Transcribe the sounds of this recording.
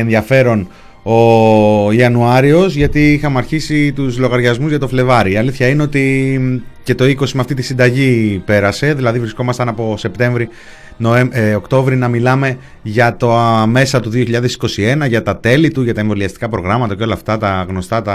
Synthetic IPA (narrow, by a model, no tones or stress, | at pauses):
enðiɐfe̞ɾo̞n | o̞ | iɐnuɐɾio̞zʝɐt̪iixɐmeɐɾçisit̪uzlo̞ɣɐɾʝɐzmuzʝɐt̪o̞fle̞vɐɾiːɐliθçɐine̞o̞t̪i | ce̞t̪o̞iko̞simeɐft̪it̪i̥sind̪ɐʝipe̞ɾɐse̞ðilɐðivɾisko̞mɐst̪ɐnɐpo̞se̞pt̪e̞ɱvɾi | noeokt̪o̞vɾinɐmilɐme̞ | ʝɐt̪ome̞sɐt̪uðioçiʎɐðe̞si̥ko̞sie̞nɐʝɐt̪ɐt̪e̞lit̪uʝɐt̪ɐe̞ɱvo̞liɐst̪i̥kɐpɾo̞ɣɾɐmɐt̪ɐceo̞lɐft̪ɐt̪ɐɣno̞st̪ɐt̪ɐ